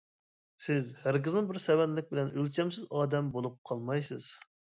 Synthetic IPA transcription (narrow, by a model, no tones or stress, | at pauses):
sɪzhæɾkʲɪznɨbɪɾsɛwɛnlɪk̚ʲbɪlɛnølt͡ʃʰɛmsɪzɑːd̪ɛmbolˠup̚qʰɑlˠmɑjsɨz̥